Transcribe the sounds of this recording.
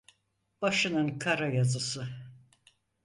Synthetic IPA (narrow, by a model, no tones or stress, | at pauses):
b̥aʃɯnɯnkʰaɾajazɯsɯ